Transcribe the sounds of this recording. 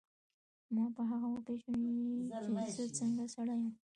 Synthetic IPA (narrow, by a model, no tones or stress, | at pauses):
mɑpəɦaɣaopeʃot͡ʃesot͡səŋɡasaɽajum